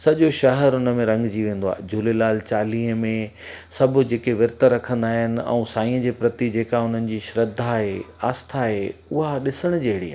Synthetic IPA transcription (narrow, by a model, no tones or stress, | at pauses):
sɐʄoʃɐɦəɾʊnəmẽɾɐ̃ŋɡd͡ʑiːʋẽːnd̪oaːed͡ʑʊlelaːlt͡ɕaːliːɦəmẽsɐbʱʊ̆d͡ʑeːkeʋɪɾt̪əɾɐkʰə̃nd̪aːɦɪnɪ̆ɛ̰̃ũːsaːĩə̃d͡ʑeːpɾɐt̪id͡ʑeːkaʊn̤ənɪ̆d͡ʑiʃɾɐd̪ʱaɦeaːst̪ʰaɦeʊɦaɗɪsəɽ̃d͡ʑeɦɪɽia̰ː